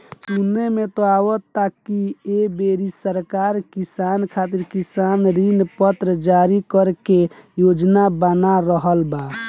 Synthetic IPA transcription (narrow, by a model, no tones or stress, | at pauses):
sunːemet̪oawɔt̪akːiebeɾisəɾkaɾkisankʰat̪iɾkisanɾinpət̪ɾəd͡ʒaɾikəɾkejod͡ʒnabənaɾəɦəlba